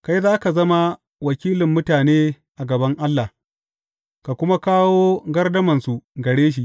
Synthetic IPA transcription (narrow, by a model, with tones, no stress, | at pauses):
ka˦jzaː˦ka˨zɐ˦ma˦ | wɐ˨kʲiː˦lɪ˨mːʊ˦taː˨neː˦ | ʔa˨ɡɐ˨bɐ˦ŋʔa˦lːa˨ | ka˨kʷʊ˦ma˦kaː˦woː˦ɡɐ˦rdɐ˦mɐ˨nsu˨ɡɐ˨ɽeː˦ʃ̬i˦ʔ